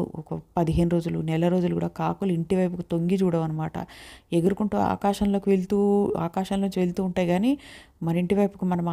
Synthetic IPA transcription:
ṵɔkɐpɐd̪iɦe̞ːnuɾo̞ːd͡ʒulṵnɛlɐɾo̞ːd͡ʒulukuːɽa̰ːkaːkuliɳʈiʋɐjpukut̪o̞ŋɡid͡ʒuːɽɐʋɐnɐmaːʈɐ̰eɡɐɾukuɳʈuːa̰ːkaːʃɐnlo̞ːkiʋeɭt̪uːaːkaːʃɐnloːnuɲt͡ʃʋelt̪uːɳʈaːjɡaːniː | mɐnɐiɳʈiʋɐjpukumɐnɐmː

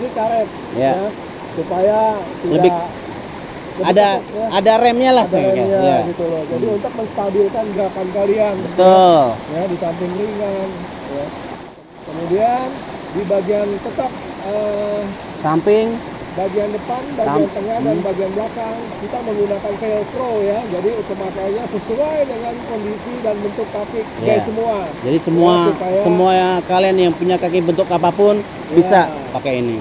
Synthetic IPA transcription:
nikaɾɛt̪̚ | jaja | supajatilədbɪ | ləadajaadarɛmɲalahsdaɛamɲaaɡit̪ulɔd͡ʒadiunt̪ʊk̚məŋst̪abɪlkanɡəɾapankalianbət̪ʊljadisampɪŋriŋan | ja | kəmudian | dibaɡiant̪ət̪ap̚ | ə | sampɪŋ | baɡiandəpandat̪əŋandanbaɡianbəlakaŋkit̪aməŋɡunakanfelkɾojad͡ʒadiut̪ʊk̚mat̪aɲasəsuajdəŋankɔndisidanbənt̪ʊktafɪk̚jkajsəmuad͡ʒadisəmuaupajasəmuajakalianjaŋpuɲakak̬ibənt̪ʊkapapʊn | bisa | pakaini

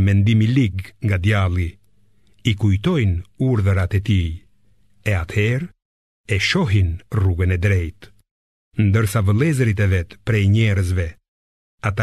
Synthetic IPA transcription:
mɛnd̪imiliɡŋɡad̪jalˠi | ikujt̪ɔjnuɾðəɾat̪ɛt̪i | ɛat̪hɛɾ | ɛʃɔɦinruɡənɛd̪ɾɛjt̪ | nd̪əɾsavəlˠɛzəɾit̪ɛvɛt̪pɾɛjɲɛɾəz̬vɛ | at̪a

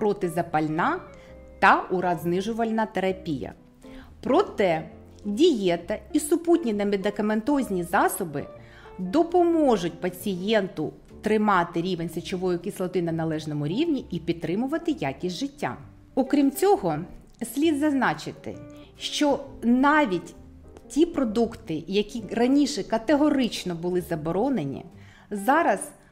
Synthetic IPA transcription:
pɾɔt̪ɪzɐpɐlʲnɑ | t̪ɐʊɾɑznɪʒʊʋɐlʲnɐt̪eɾɐpʲijɐ̰ | pɾɔt̪ɛ | dʲijɛt̪ɐisʊputʲnʲinɐmed̪ɪkɐment̪ɔzʲnʲizɑsɔbɪ̰ | d̪ɔpɔmɔʒʊt̚ʲpɐt͡sʲijɛnt̪ʊ | t̪ɾɪmɑt̪ɪɾʲiʋenʲsɐt͡ʃɔʋɔjʊkʲislˠɔt̪ɪnɐnɐlˠɛʒnɔmʊɾʲiʋnʲiipʲid̪̚t̪ːɾɪmʊʋɐt̪ɪjakʲisʲʒɪtʲːa̰ | ɔkɾʲimt͡sʲɔɦɔ | sʲlʲid̪zɐznɑt͡ʃɪt̪ɪ̰ | ʃt͡ʃɔnɑʋʲitʲ | tʲipɾɔd̪ukt̪ɪjɐkʲirɐnʲiʃɛkɐt̪eɦɔɾɪt͡ʃnɔbʊlˠɪzɐbɔɾɔnenʲḭ | zɑɾɐz

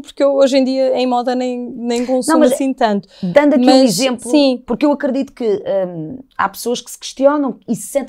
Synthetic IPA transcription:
puɾkewoʒẽd̪iɐẽj̃mɔðɐnɐ̃j̃nɐ̃j̃kõsnɐ̃mɐɐʃsĩt̪ɐ̃nt̪u̥d̪ɐ̃nd̪ɐkmɐ̃izẽmplˠusĩpuɾkewɐkɾɨðit̪u̥kɨɛa̰psoɐʃkɨ̥sɨ̥kɨ̥ʃt̪iɔnɐ̃w̃isɨ̥sẽnt̪

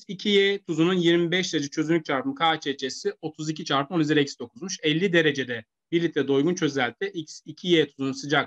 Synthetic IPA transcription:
icʰijɛt̪ʰuzununjiɾmibɛʃ̬d̪eɾed͡ʒɛt͡ʃʰø̞zynʲyc̚t͡ʃʰaɾpɯmkʰaːt͡ʃʰɛt͡ʃʰesio̞t̪ʰuzic̬ʰit͡ʃʰaɾpɯmonizɛɾɛcsd̪o̞kʰuzmuʃɛlʲːid̪e̞ɾe̞d͡ʒe̞d̪ɛ | biɾlʲit̪lʲɛd̪o̞jɡunt͡ʃʰø̞zælʲt̪ʰɛʔicsicʰijet̪ʰuzununsɯd͡ʒak

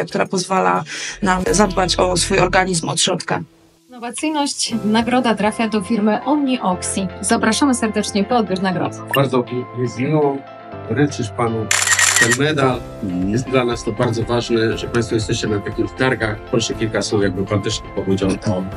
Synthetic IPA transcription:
akt̪uɾapɔzvala̰namzad̪bat͡ɕɔsfujɔɾɡaɲizmɔt̪ɕɾɔt̪ka̰ | nːɔvat̪sɘjnɔɕt͡ɕnaɡɾɔd̪at̪ɾafʲjad̪ɔfʲiɾmɘʔɔmɲiʔɔksʲizapɾaʂamɘsɛɾd̪ɛt͡ʂɲɛpɔɔd̪̚bʲjuɾnaɡɾɔ̰d̪ɨbaɾd̪zɔvzmʲiwɔ | ɔɾɛt͡ʃɘʂpanut̪ɛnmɛd̪al | jɛst̪̚d̪lanast̪ɔbaɾd̪zɔvaʐnɛʐɛpaj̃st̪fɔjɛst̪ɛɕt͡ɕɛnat̪ɛkuft̪aɾkaxpɾɔʂɛkʲilkaswufjaɡ̚bɘpalt̪ɪt͡ʂɲixpɔvud͡ʑawt̪ɔ

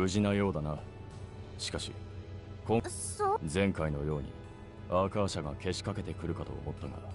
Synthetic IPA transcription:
ɯ̟ʑinajo̞ːd̪ana | ɕi̥kaɕḭ | kosozẽ̞ŋkaino̞jo̞ːɲ̟ḭ | aːkaːɕaɡake̞ɕi̥kake̞t̪e̞kɯ̟ɾɯ̟kat̪o̞̰ːmo̞t̪ːana̰d̪a

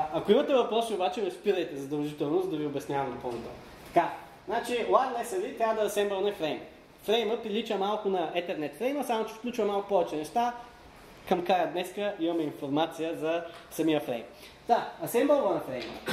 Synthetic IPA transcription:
ɐkoimɐt̪ɛvɐpɾɔsiʊbat͡ʃɛmɛspiɾəjt̪ɛzɐd̪ɐlˠʒit̪ɛlˠnosd̪ɐviobɛsnʲavɐd̪pɔnot̪ɔ̰ | t̪ɐ̥ka | znat͡ʃilˠalɛsɐvit̪ɾʲavəd̪ɐɐsɛmbɐlˠnɛfɾɛjm | fɾɛjməpɾilit͡ʃəmalˠkʊnɐɛt̪ɛɾnɛt̪fɾɛjməsamot͡ʃɛ̥fklʲut͡ʃvɐmalˠkʊ̥pɔvɛt͡ʃɛnɛʃt̪a | kɐmkɾajəd̪nɛskəʔimɐmɛinfoɾmat̪sijəzɐsɐmiəfɾɛ̰jm | d̪aɐsɛmbɐlˠvonɐfɾɛjmə̰

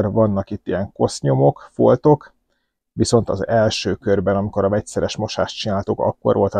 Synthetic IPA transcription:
rvɒnːɒkit̪ːijɛŋko̞sɲo̞mo̞kfo̞lt̪o̞k | ʋiso̞n̪t̪ɒzɛlʃøːkø̞rbɛnɒmiko̞ɾɒvɛcsɛɾɛʃmo̞ʃa̰ːʃt̪t͡ʃinaːlt̪ukɒ̰kːo̞̰rʋo̞lt̪

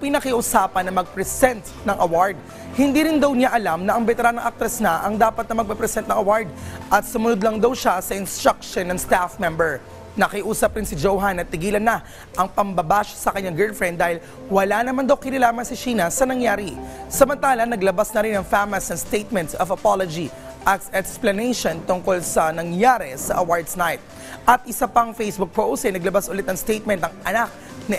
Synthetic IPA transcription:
pɪnɐkɪʔʊsaːpɐnɐmɐɡ̚pɾɛsɛnt̪̚nɐŋʔɐwaɹd̪̚ | hɪnd̪iɾɪnd̪ɐwɲaʔɐlamnɐʔɐŋbɛt̪ɛɾanɐŋʔak̚t̪ɾɐsnɐʔɐŋd̪aːpɐt̪nɐmɐɡ̚pɛpɾɛsɛnt̪̚nɐŋɐwaɹd̪̚ʔɐt̪̚sʊmʊnʊd̪lɐŋd̪ɐwʃasɐʔɪnst̪ɾakʃonɐŋst̪afmɛmbɛɹ | nɐkɪʔuːsɐpɾɪnsɪd͡ʒowɦanɐt̪ːɪɡiːlɐnːɐ | ʔɐŋpɐŋbɐbaːʃɐ̥sɐkɐɲaŋɡɛlfɹɛ̃nd̪ːaːhɪl | wɐlanɐmand̪ɐwkɪnɐlaːmɐnsɐt͡ʃiːnɐsɐnɐŋjaːɾisɐmɐnt̪aːlɐnɐɡlɐbasnɐɾɪnɐŋfamɐsɐnst̪ejt̪̚mɛnt̪sɐvɐpalod͡ʒi | ʔɐt̪ɛksplɐnejʃont̪ʊŋko̞lsɐnɐŋjaːɾɛsɐʔɐwaɹd̪snajt̪̚ | ʔɐt̪̚ʔɪsapɐŋfejsbʊk̚pɹowsɛnɐɡlɐbasʔʊlɛt̪ɐŋst̪ejt̪̚mɛnt̪ɐŋʔɐnak̚ | nɐ

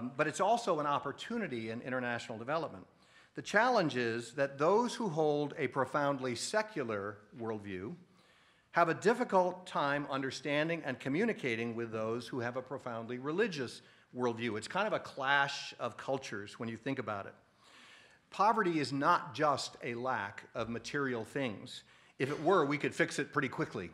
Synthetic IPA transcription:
bʌɾɨtsɔlˠsoʊə̃nɑpə˞tʰʉnɨɾiɪ̃nɪ̰̃ɾ̃ə˞næʃn̩l̩ˠdəvɛlˠəp̚mə̃n | ðɨt͡ʃʰælˠə̃nd͡ʒɪzðɨt̪̚ðoʊz̥huɦoʊlˠdɨpʰɹ̥ofãʊ̃ndˡlisɛkʰjl̩ˠə˞wɜ˞lˠdvjʉ̰ | əvɨdɪfɨkəl̩ˠtʰãɪ̃mʌ̃ndə˞stæ̃ndɪ̃ŋʔɨ̃nkʰɨmjʉnɨkʰeɪɾɪ̃ŋwɪðoʊz̥huɨvəpʰɹ̥ofãʊ̃ndˡliɹɨlɪd͡ʒɨs | wɜ˞lˠdvjʉɨtskʰãɪ̃ndʌvɨkʰl̥æʃʌv̥kʰʌlˠt͡ʃə˞zwə̃njɨθɪ̃ŋkɨbaʊɾɨ̰t̚ | pʰɑvə˞ɾiɨznət̚d̥ʒ̥ʌstʰɨlækʌvmɨtʰɪɹil̩ˠθɪ̃ŋz̥ | ɨfɨʔ̚wə˞wikɨd̥fɪksɨt̚pʰɹ̥ɪɾikʰw̥ɪklḭ

